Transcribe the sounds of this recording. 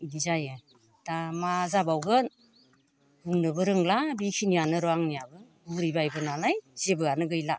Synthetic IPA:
inizajɯ | tamazabawɡɯn | huŋnɯbɯɾɯŋlabikʰinijanɯɾɔaŋnijabɯ | uɾibajbɯnalajz̥ebɯanɯɡɯjla

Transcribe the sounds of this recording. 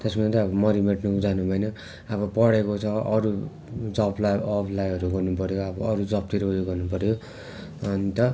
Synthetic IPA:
t̪esmʌnt̪ʌʌbʌmʌɾimeʈnukd͡zanubʱʌjnʌ | abʌpʌɽekot͡sʰʌʔʌɾu | d͡zʌplaʌbʰlajʌɾuɡʌrnupʌɾjoabʌʌɾud͡zʌp̚t̪iɾoujoɡʌrnupʌɾjo | nit̪ʌ

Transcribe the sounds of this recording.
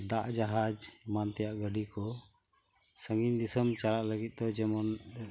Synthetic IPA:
d̪aʔd͡ʒaɦad͡ʒmant̪ɛjaʔɡəɖikɔ | səŋind̪isəmt͡ʃalaʔləɡit̪̚ˀd̪ɔd͡ʒɛmɔn

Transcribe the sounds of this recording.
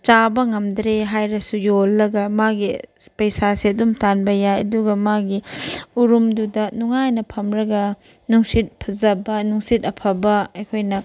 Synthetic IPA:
t͡ʃabɐŋɐmdɾeɦajɾɐsujolːɐɡɐmaɡipɐjsasiɐdumtanbɐjajɐduɡɐmaɡiuɾumdudɐnuŋajnɐpʰɐmɾɐɡɐ | nuŋsit̚pʰɐzɐbɐnuŋsitɐpʰɐbɐɐjkʰojnɐ

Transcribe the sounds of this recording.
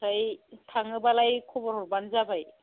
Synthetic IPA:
ajtʰaŋɯbalajkʰɔbɔɾhɔɾbanzabaj

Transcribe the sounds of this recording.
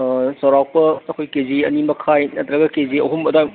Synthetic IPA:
sɐwɾawk̚pɐːkʰojkeziɐnimɐkʰajnɐtɾɐɡɐkeziɐɦumɐdaj

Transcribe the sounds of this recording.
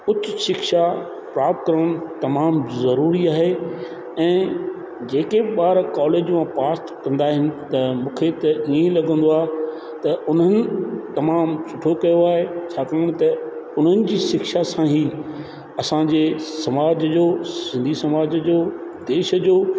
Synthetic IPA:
ʊt͡ɕɪʃɪkʃa | pɾaːp̚t̪̚kɐɾəɽ̃ʊt̪ɐmaːmzɐɾuːɾiaːɦe | ɛ̃ː | d͡ʑeːkeɓaːɾkaːleːd͡ʑmãpaːst̪kɐ̃nd̪aːɦɪnɪ̆t̪ɐmũːkʰet̪ɐĩẽlɐɡə̃n̆d̪oaː | t̪ɐʊn̤ənɪ̆t̪ɐmaːmsʊʈʰokɐjoaːɦet͡ɕʰaːkəjʊɽ̃t̪ɐʊn̤ənɪ̆d͡ʑiːʃɪkʃasãɦiː | ɐsãd͡ʑeːsɐmaːd͡ʑəd͡ʑoːsɪ̃nd̪ʱisɐmaːd͡ʑəd͡ʑoːd̪eːʃəd͡ʑoː

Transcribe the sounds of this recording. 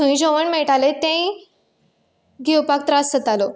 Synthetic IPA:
ũĩd͡ʑoʋəɳmeʈalet̪ẽĩ | ɡʱewpak̚t̪ɾasːət̪alo

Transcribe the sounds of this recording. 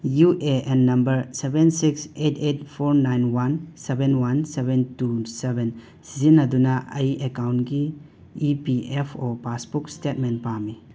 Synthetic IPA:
juʔeenːɐmbɐɾsebensiksetʰetpʰoɾnajnwansebenwansebentuseben | sizinːɐdunɐʔɐjekawnɡiː | piepʰopasbukstet̚menpami

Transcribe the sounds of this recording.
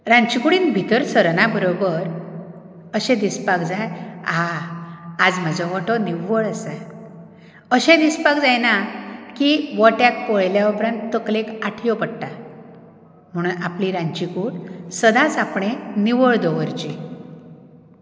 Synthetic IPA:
ɾãɲt͡ɕikuɽiːnbʱit̪əɾsəɾɳabəɾobəɾ | əɕɛ̃d̪ispakd͡zajaː | d͡zm̤ad͡zɔʋɔʈɔniʋəɭasa | əɕɛ̃d̪ispakd͡zajnakiʋɔʈjak̚pɔɭljaupɾãnt̪ːəklekaʈʰjɔpəɽʈa | m̤əɽ̃uːnapliɾãɲt͡ɕikuɽsəd̪ʱãt͡sapɳeniʋəɭd̪ɔʋəɾt͡ɕi

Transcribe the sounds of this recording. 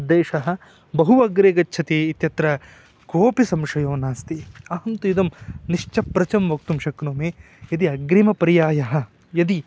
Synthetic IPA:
d̪eːʃɐɦɐ̆ | bɐɦuʋɐɡɾeːɡɐtːʃʰɐt̪eːit̪jɐt̪ɾɐ | koːpisɐmʂɐjoːnaːst̪iaːɦɐmt̪ujid̪ɐmniʂt͡ʃɐpɾɐt͡ʃɐmʋɐk̚t̪umʃɐknoːmeː | jɐd̪iɐɡɾimɐpɐɾijaːjɐɦɐ̆ | jɐd̪i

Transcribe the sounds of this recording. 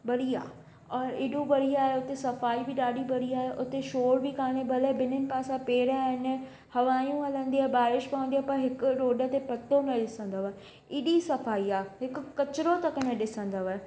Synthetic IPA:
bɐɽiaː | ɔːɾɪːɗubɐɽiaːɦeʊt̪esɐfaːibɪɗaːɗibɐɽiaːɦeʔʊt̪eʃoːɾbɪkaːɽ̃ebʱɐləbɪnɪnɪ̆paːsãpeːɾaːɦɪn | hɐʋaːjũɐlə̃nd̪iaːɦebaːɾɪʃpɐʋə̃nd̪iaɦpɐɾɦɪkʊ̆ɾoːɖət̪epɐt̪omẽɗɪsə̃nd̪əʋaːɦe | ɪːɗisɐfaːiaːɦɪkʊ̆kɐt͡ɕɪɾot̪ɐkəmẽɗɪsə̃nd̪əʋaːɦe

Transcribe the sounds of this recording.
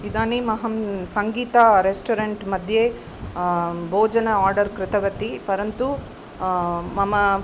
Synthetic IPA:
id̪aːnimɐɦɐmsɐŋɡiːt̪aɾesʈoɾɐɳʈmɐd̪ʱje | bʱoːd͡ʒɐnɐaːɾɖɐɾkɾɪt̪ɐʋɐt̪ipɐɾɐnt̪u | mɐmɐ

